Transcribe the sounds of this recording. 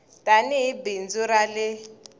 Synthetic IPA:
tʼaniɦibind͡zuɾalɪ

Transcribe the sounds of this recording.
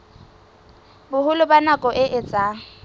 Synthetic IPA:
bʊhʊlʊbanakʼɔʔɪʔɪt͡sʼaː

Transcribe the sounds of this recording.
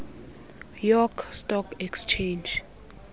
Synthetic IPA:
jɔkʰstʼɔkʰɛkst͡ʃʰend͡ʒ

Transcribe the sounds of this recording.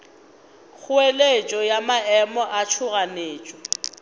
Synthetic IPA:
k͡xʰʊelet͡ʃʼɔjamaɛmɔʔat͡ʃʰʊɣaneːt͡ʃʼɔ

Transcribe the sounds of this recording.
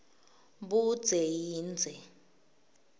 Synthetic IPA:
bud̥d͡z̥ʱejiːnd͡zʱɛ

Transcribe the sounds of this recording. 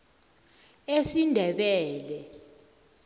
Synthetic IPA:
esindʱɛɓɛːlɛ

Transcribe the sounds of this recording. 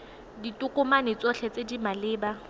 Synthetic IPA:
ditʼʊkʼʊmanɪt͡sʼɔɬʰɛt͡sʼedimalɪːba

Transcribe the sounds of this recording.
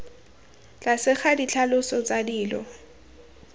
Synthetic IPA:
t͡ɬasɪχadit͡ɬʰalʊsɔt͡sadiːlɔ̰

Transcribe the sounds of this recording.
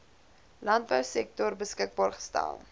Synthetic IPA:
lɐnt̚bœwsɛk̚tɔrbəskək̚bɑːrχə̥stæ̰lˠ

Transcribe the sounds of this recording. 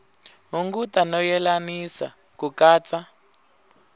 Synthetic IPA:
ɦuŋɡutanɔjɛlanisa̰ | kukaːt͡sa

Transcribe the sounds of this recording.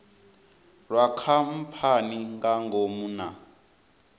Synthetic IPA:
rwakʰam̩pʰaniŋɡaŋɡʱomuna

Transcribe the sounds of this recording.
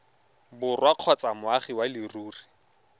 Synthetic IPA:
bʊrwaq͡χʰɔt͡samʊaχiwalɪruːri

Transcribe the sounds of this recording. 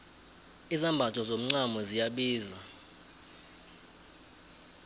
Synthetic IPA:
izambʱatʰʼɔzom̩ŋ͡ǀamɔzijaɓiːza

